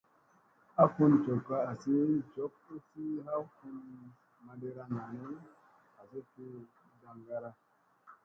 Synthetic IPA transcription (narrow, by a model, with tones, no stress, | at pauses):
a˦ku˦nt͡ʃo˨kːa˦a˨si˦t͡ʃo˦ku˦si˦ɦa˦wku˦n | ma˨de˦ɾa˦ŋa˨ne˦ | a˨si˦fi˦ | ɡa˨ŋɡa˦ɾa˦